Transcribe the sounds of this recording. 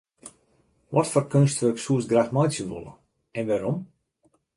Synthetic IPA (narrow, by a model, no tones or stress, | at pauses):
ʋɔtfɔrkønstʋøksuəsɡraxmɔjtsjənʋo̰lˠə̰ | ɛnʋaɾom